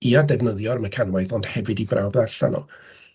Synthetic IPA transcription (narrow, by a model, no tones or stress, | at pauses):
iadɛvnəðjɔɾməkʰanwajθɔnd̥hɛvɨdibrawbnaɬa̰nɔ̰